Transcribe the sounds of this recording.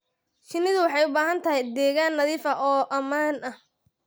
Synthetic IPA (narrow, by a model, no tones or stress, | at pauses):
ʃɪnɪðʊwɑħɑjʊbaːɦɐnt̪ʰɐɦɛjd̪ɛːɣaːnːɐðiːfɐʔɔːʔɐmaːnɐh